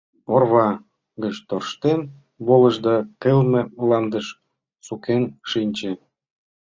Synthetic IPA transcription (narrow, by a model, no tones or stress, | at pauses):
orβɑ | ɡət͡ɕt̪orʃt̪en | bolə̆ʒd̪ɑkelmĕlɑnd̪əʃ | sukenʃinʲt͡ɕe